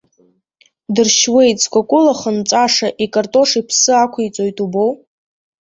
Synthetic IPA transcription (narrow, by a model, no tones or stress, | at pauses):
dɨrʃwe̞jtʼt͡skʷʼakʷʼʊlaχənt͡sʼaʂaʔikʼartʼo̞ʂipʰsɨakʷʰit͡sʼojtʼubo̞w